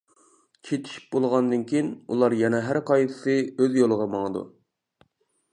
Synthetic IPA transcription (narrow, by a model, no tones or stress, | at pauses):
t͡ʃʰet̪ʰi̥ʃi̥p̚bolˠʁɑnd̪ɨnkʲʰijinṵlˠɑɾjɛnɛɦæɾqɑjt̪ʰɨ̥sɨøzjolˠəʁɑmɑŋəd̪ṵ